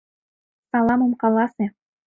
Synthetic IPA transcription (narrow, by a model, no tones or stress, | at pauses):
sɑlˠɑmɤ̆mkɑlˠɑsĕ